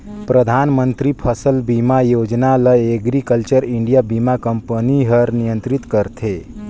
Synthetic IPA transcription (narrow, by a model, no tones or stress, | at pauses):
pɾəd̪ʱanmənt̪ɾipʰəsəlbimajod͡ʒnaləeɡɾikəlt͡ʃəɾiɳɖijabimakəmpəniɦəɾnijənt̪ɾit̪kəɾt̪ʰe